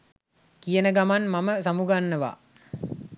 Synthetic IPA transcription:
kijənəɡamanmaməsamuɡanːəʋa̰

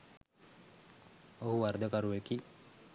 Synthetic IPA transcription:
oɦuʋaɾd̪əkaɾuʋeki

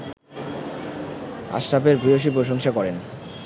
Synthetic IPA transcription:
a̰ʃɾapeɾbʱioʃ̬ip̬ɾoʃoŋʃakɔɾen

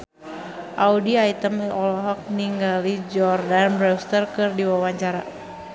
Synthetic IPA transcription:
ʔaudiait̪əmɔlɔɦɔk̚niŋɡalid͡ʒɔrdanbɾɛst̪ərkɨrdiwawaɲt͡ʃaɾa

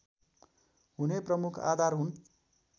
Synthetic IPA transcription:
ɦuneprʌmukʰa̰d̪ʱarɦun

